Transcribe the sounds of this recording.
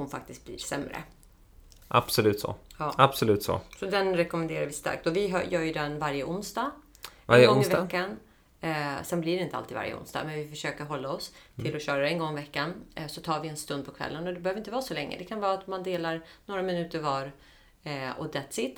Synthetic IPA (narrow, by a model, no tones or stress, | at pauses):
hʊnfa̰k̚t̪ɪskt̪̚blḭːɾsɛ̰mɾə̰ | ʔa̰b̥sɔlʉ̟ːt̪sɔ̰jɑːab̥sɔlʉ̟ːt̪sɔ̰sɔd̪ɛnɾɛkɔmɛnd̪eːɾaɾvɪst̪a̰ɾk̚t̪ɔvɪɦa̰jœːɾjɵd̪ɛnvaɾjəʔʊnsd̪ɑ | ɡɔŋɪvkːan | sɛnblɪɾɛɪnəa̰lt̪ʰiːd̪va̰ɾjə̰ʊ̰nst̪ɑ̰mɛnvɪfœʂøːkəɾɦɔlːaɔst̪ʰɪlɔɕœːɾaɾɛnɡɔŋːɪvɛkːansɔt̪ʰɑːɾvɪɛnst̪ɵnd̪̚pʰɔkʰvɛ̰lːənɔd̪ɛbɛhøːvɾɪnt̪əvɑːsɔlɛŋːə̰d̪ɛkʰanvɑːat̪mand̪eːlaɾnoːɾamɪnʉ̟ːt̪əɾvɑːɾ | ɔ̰d̪ɛt̪sɪt̪